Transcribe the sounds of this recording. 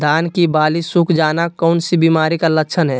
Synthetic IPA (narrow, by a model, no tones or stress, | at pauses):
d̪aːnkibaːlisukʰd͡ʒaːnakɔʊnsibimaːɾikaləkːt͡ʃʰənɦɛ